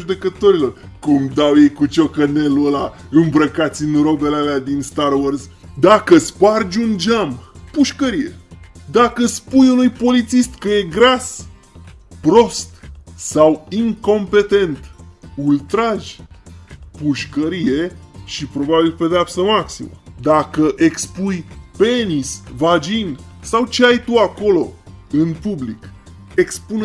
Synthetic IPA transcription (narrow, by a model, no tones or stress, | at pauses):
ʒud̪e̞kət̪o̞ɾilo̞rkumd̪awjejkut͡ʃo̞kəneluəla | ɨmbɾəkat̪sʲinɾo̞be̞lealead̪inst̪aɾworz | d̪akəspard͡ʒund͡ʒampuʃkəɾije̞̰d̪akəspujunujpo̞lit̪sist̪kəje̞ɡɾas | pɾo̞st̪sawiŋko̞mpe̞t̪e̞nt̪ult̪ɾaʒʲ | puʃkəɾije̞ʃipɾo̞babilpe̞d̪eapsəmaksḭmə̰d̪akəʔe̞kspujpe̞nisvad͡ʒin | sawt͡ʃeajt̪uako̞lo̞ɨnpublḭk | e̞kspun